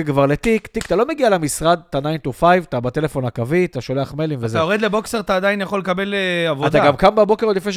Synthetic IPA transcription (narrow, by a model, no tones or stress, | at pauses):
ɡvaʁlet̪ikt̪ikt̪alo̞me̞ɡialemisʁad̪̚t̪anajnt̪ofajvt̪abat̪e̞le̞fo̞nakaviat̪aʃo̞le̞aχmelimvezaoʁed̪lebokseʁat̪aːd̪ainjaχo̞lːekabe̞leavoadt̪aɡamkambabo̞keʁolifneʃ